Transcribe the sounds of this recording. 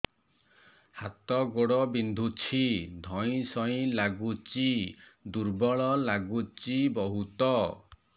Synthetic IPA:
hat̪ɔɡoɽɔbind̪ʱut͡ʃʰid̪ʱɔj̃sɔĩlaɡut͡ʃid̪uɾbɔɭɔlaɡut͡ʃibɔɦut̪ɔ

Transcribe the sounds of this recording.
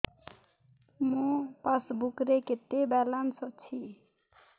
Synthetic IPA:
mũpasbukɾeket̪ebɛlansʌt͡sʰi

